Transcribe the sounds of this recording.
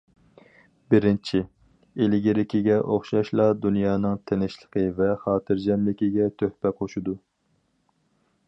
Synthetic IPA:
bɪɾɪnt͡ʃʰi | elɪɡʲeɾɪkʲiɡʲɛʔoχʃɑʃlˠɑd̪unjɑːnɨŋt̪ʰenɪʃlˠəqʰəvɛχɑːt̪ʰɨɾd͡ʒɛmlɪkʲiɡʲɛt̪ʰøhpɛqʰoʃud̪u

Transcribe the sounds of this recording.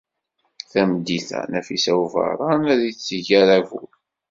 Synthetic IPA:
θæmd̪iθæ̰næfisæuvɑ̰ɾˤɑnæðit͡sːəʝæɾævṵl

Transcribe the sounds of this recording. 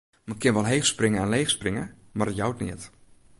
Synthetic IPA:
məkʰːɪnʋɔlˠɦexsprɪŋəanleːxsprɪŋəmarətjawtnɪət

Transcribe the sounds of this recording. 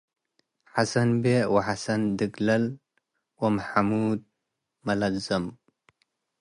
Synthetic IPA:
ħasɐnbewɐħasɐnd̪ɨɡlɐl | wɐmħamud̪̚ | mɐlazɐm

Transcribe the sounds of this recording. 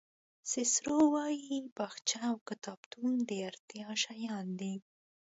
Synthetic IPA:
sɪsɾowɑjibaxt͡ʃaawkɪt̪ɑbt̪und̪əaɾt̪iɑʃajɑnd̪i

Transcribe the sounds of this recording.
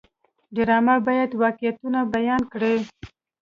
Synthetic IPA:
ɖɪɾɑmabɑjad̪wɑqjat̪unabajɑnkɽe

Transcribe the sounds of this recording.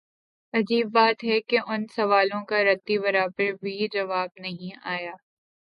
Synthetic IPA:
ɐd͡ʒiːbːaːt̪ɦɛkeʔʊnsɐʋaːlõkaɾɐt̪ːiβɐɾaːbəɾbʱid͡ʒɐʋaːb̚nɐɦĩaːjaː

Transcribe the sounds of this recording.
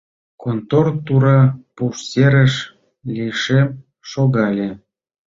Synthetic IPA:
kont̪ort̪uɾɑpuʃseɾəʃ | lʲiʃem | ʃoɣɑlʲe

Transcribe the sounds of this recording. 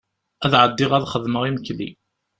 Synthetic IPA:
æðʕəd̪ːɪʁæðχəðməʁiməklḭ

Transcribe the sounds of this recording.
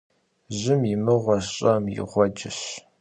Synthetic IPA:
ʑɪmjɪmɨʁʷɔɕɕʼɐmjɪ̰ʁʷɔd͡ʒɪɕ

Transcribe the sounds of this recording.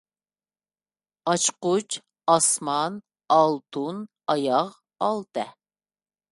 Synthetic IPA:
ɑt͡ʃqut͡ʃ | ɑsmɑn | ɑlˠt̪ʰun | ɑjɑʁ | ɑlˠt̪ɛ

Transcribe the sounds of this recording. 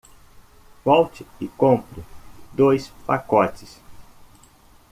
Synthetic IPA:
vɔwt͡ʃɪɪkõmpɾʊd̪ojspakɔt͡ʃɪs

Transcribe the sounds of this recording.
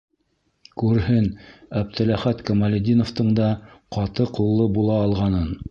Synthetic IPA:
kʉɾhɘnæb̚t̪ɘ̆læχæt̪kɐmalʲɪd̪ʲinŏft̪ɤɴd̪ɑqɑt̪ɤqulˠːɤbulˠɑːlˠʁɑnɤn

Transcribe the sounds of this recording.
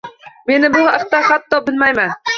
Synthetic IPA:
menɪbʊhæq̚t̪æhæt̪ːɒbɪlmæjmæn

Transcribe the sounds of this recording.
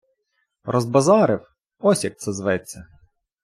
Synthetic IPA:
rɔzbɐzɑɾɪw | ɔsʲjɐk̚t̪sɛzʋɛt͡sʲːɐ

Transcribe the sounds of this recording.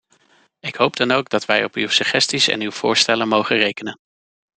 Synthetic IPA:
ɪkɦowp̚dɑnowɡdɑtʋɛjɔpywsəχɛstisɛ̰nywv̥ʊːɹstɛlənmowχərejkənən

